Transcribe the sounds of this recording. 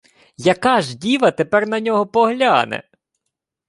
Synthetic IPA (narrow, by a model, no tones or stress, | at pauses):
jɐkɑʒdʲiʋɐt̪epɛrnɐnʲɔɦɔpɔɦlʲa̰nɛ̰